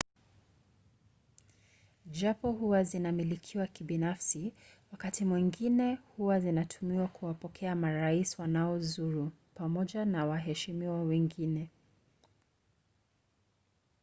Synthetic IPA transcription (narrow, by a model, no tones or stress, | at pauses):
ʄapɔhuwazinamilikʰiwakibinafsiwakatimwiŋɡinɛhuwazinatʰumiwakʰuwapɔkʰɛamaɾaiswanaɔzuɾu | pamɔʄanawaɦɛʃimiwɔwɛŋɡinɛ